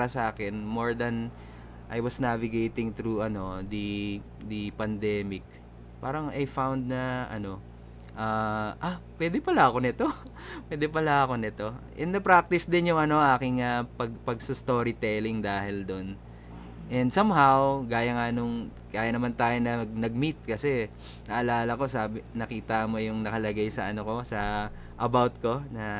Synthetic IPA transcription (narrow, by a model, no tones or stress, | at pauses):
ɐsɐʔaːkɛnmo̞ɹd̪ɐn | ʔɐ̰jwɐsnavɪɡejt̪ɪŋt̪ɾuɐno̞d̪i | d̪ipɐnd̪ɛːmɪk̚ | paːɾɐŋʔɐjfawnd̪̚nɐʔɐ̰no̞ | ʔaːʔapwɛd̪ɛpɐlaʔɐko̞nɪt̪o | pwɛd̪ɛpɐlaɐko̞nɪt̪o̞ʔɪnd̪ɐpɾak̚t̪ɪsd̪ɪnjʊŋɐno̞ʔaːkɪŋɐpɐɡpɐɡsust̪o̞ːɾɪt̪ɛlɪŋd̪aːhɪld̪o̞n | ʔɛnd̪sɐmɦawkaːjɐŋanʊŋkaːjɐnɐmant̪aːjonɐɐɡ̚nɐɡ̚mit̪̚kɐsɛ | nɐʔɐlaːlɐko̞saːbɪnɐkiːt̪ɐmo̞jʊŋnɐkɐlɐɡajsɐʔɐnoko̞sɐ | ʔɐbawt̪̚ko̞nɐ